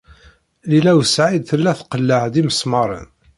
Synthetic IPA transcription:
lilæwəsʕid̪θəlːæθqəlːəʕd̪iməsmɑɾˤə̰n

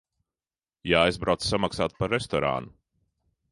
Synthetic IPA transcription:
jaajzbɾawt̪ssamaksaːt̪̚paɾːɛst̪ɔɾa̰ːnu

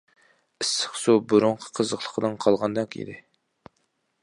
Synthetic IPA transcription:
ɪsːə̥χsubuɾuɴqʰə̥qʰəzəχlˠə̥qʰəd̪ɨnqʰɑlˠʁɑnd̪ɑkḭd̪ɪ

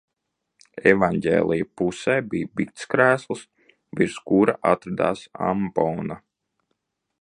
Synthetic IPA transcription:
ɛvanɟʲḛːlʲˠijapusɛːbijbikt̪skɾæːslˠs | viɾskuɾaʔat̪ɾad̪a̰ːsa̰mbɔːna

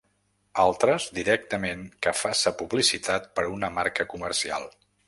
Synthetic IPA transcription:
alˠt̪ɾəzd̪iɾɛk̚t̪əmeŋkəfasəpuβlisit̪at̪̚pəɾunəmaɾkəkumərsia̰lˠ

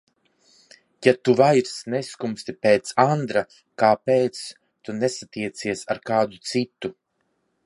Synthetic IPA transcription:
jat̪uvajɾsneskumst̪ipeːt̪sand̪ɾa | kaːpeːt̪s | t̪unesat̪iɛt̪siɛsaɾkaːd̪ut̪sit̪u

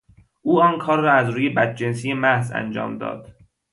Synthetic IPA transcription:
ʔuːɒːnkʰɒːɾːɒːæzɾuːje̞bæt̪̚d͡ʒensijemæhzæ̰nd͡ʒɒ̰ːmd̪ɒ̰ːd̪̥

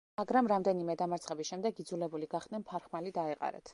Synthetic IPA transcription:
maɡɾamɾamd̪ɛnimɛd̪amaɾt̪sχɛbisʃɛmd̪ɛɡid̪zulɛbuliɡaχd̪̥nɛnpʰaɾχmalid̪aɛqʼa̰ɾɛ̰t̪ʰ

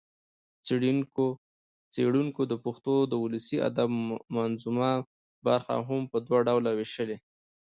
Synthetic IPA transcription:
t͡siɽiŋko | t͡seɽuŋkod̪əpʊxt̪od̪əuləsia̰d̪abmanzuma | baɾxa̰ɦampəd̪waɖawlawɪʃəle

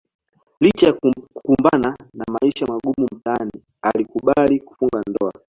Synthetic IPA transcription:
lit͡ʃajakukumbananamaiʃamaɠumum̩tani | alikuɓaliku̥fuŋɡandɔa̰

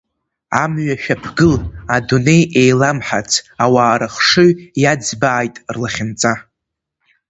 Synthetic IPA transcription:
a̰mɥaʃᶣapʰɡɨladune̞jejlamħat͡sʰawaːɾʔaχʂɨɥjad͡zbaːjtʼrlaχʲɪnt͡sʼa

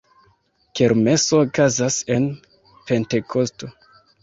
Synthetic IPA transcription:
ke̞ɾmeso̞ːkazase̞n | pe̞nte̞kʰo̞sto̞

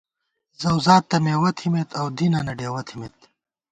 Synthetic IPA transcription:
zɐwzaːt̪ːɐmeːwɐt̪ʰimet̪ʰɐwd̪inɐnɐɖeːwɐt̪ʰimet̪

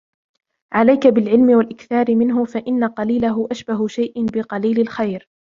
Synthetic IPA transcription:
ʕalajkabɪlʕɪlmɪwalʔɪkθɑːɾɪmɪnɦʊfaʔɪnːaqɑliːlaɦʊʔaʃbaɦʊʃajʔɪbɪqɑliːlɪlxajɾ

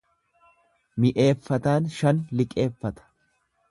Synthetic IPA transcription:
mɪʔe̞ːfːɐt̪aːnʃɐnlɪkʼe̞ːfːɐt̪ɐ̥

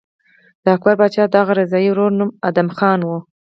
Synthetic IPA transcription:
d̪̥əak̚baɾbɑt͡ʃɑd̪ɑɣaɾɪzɑjiwɾoɾnumad̪amxɑnwu

